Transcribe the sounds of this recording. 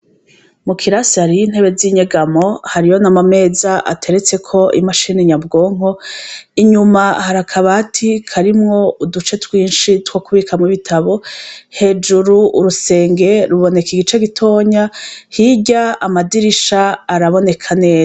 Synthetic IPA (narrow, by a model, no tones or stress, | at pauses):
mukʰiɾasaɾijin̥he̞βe̞ziɲeɡamo̞haɾijo̞namame̞zaʔa̰tʰe̞ɾe̞t͡se̞kʰo̞ḭmaʃiːniɲabɡo̞ːŋ̥o̞iɲumahaɾakʰaβatʰikʰaɾimŋo̞udut͡ʃe̞twiːnʃitwokuβikʰamŋiβitʰaβo̞he̞d͡ʒuɾuʔːɾuse̞ːŋɡe̞ɾuβo̞ne̞kiɡit͡ʃe̞ɡitʰo̞ːɲahiɟaamadiɾiʃaːɾaβo̞ne̞kʰane̞ːza